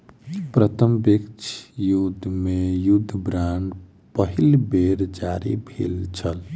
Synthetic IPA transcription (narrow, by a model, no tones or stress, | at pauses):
pɾət̪ʰəmbekt͡ʃʰjud̪ʱːmejud̪ʱːbɾaɳɖ | pəɦilbeɾd͡ʒaɾḭbʱḭlt͡ʃʰəl